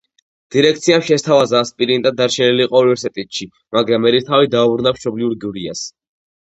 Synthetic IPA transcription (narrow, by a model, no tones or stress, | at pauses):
d̪̥iɾɛk̚ʰt̪sʰiamʃɛst̪ʰavazaːspʼiɾind̪ad̪aɾʃɛniliːqʼɔunivɛɾsit̪ʼɛt̪ʃi | maɡɾamːɛɾit̪ʰavid̪aubɾunamʃɔbliuɾɡiuɾia̰s